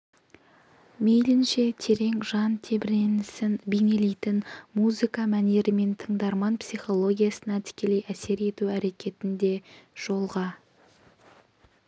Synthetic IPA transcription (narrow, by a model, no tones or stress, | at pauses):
mejlɪnʃe̞t̪ʰe̞ɾe̞ŋʒɑnt̪ʰe̞bɪɾenɪsɪnbene̞lejt̪ɪnmuzɨkɑmæne̞ɾɪme̞nt̪ʰəɴd̪ɑɾmɑnpsijχo̞lˠo̞ɡʲijasənɑt̪ʰɪ̥kʲe̞le̞jʔæse̞ɾe̞t̪uæɾe̞kʲe̞t̪ɪnd̪e̞ʒ̥o̞lˠʁɑ